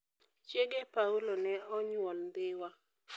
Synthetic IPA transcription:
t͡ʃjeɡepaulonɛɔɲwɔld̪ɪwa

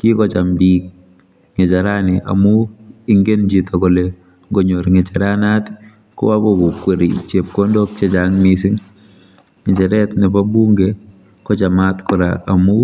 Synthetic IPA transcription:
kikɔt͡ʃambik̚ | ŋɪt͡ʃaɾanɪʔa̰mʊɪŋɡend͡ʒitɔkɔle | ɡɔɲoɾŋɪt͡ʃaɾanat | kɔ̰wakɔkʊkweɾḭt͡ʃep̚kɔndɔk̚t͡ʃɛt͡ʃaŋmisɪŋ | ŋɪt͡ʃɛɾɛtnɪpabuŋɡe | kɔt͡ʃamatkʊɾa̰ʔːmʊ

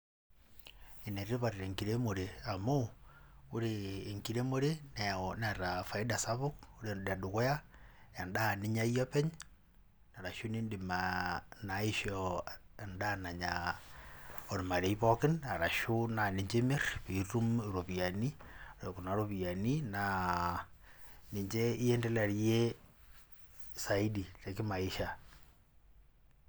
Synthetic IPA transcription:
ineɾiβaɾiɾeŋkiɾemoɾeamo | uɾeːŋkiɾemoɾenenaɾafaidasaβukuɾedaduɣoja | andaniɲaijopeɲ | naɾaʃunindimanaiʃoendanaɲa | oɾimaɾeiβokinaɾaʃunaniɲd͡ʒemirβiɾumɾoβianioɾekunaɾoβianina | niɲd͡ʒeijendelaɾje | saidiɾekimaiʃa

